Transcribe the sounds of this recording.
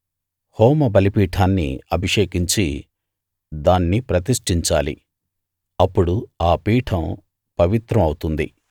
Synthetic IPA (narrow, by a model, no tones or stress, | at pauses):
hoːmɐbɐlipiːʈʰaːnːḭɐbʱiʂeːkiɲt͡ʃi | d̪aːnːipɾɐt̪̬iʂʈiɲt͡ʃaːlḭ | ɐpːuɽuaːpiːʈʰɐm | pɐʋit̪ɾɐmɐwut̪und̪i